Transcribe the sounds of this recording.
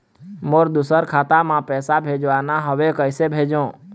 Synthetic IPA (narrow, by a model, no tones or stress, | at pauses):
moːɾd̪ʊsəɾkʰaːt̪amãpɛːsabʱeːd͡ʒʋaːnaɦəʋekəɪsebʱeːd͡ʒõː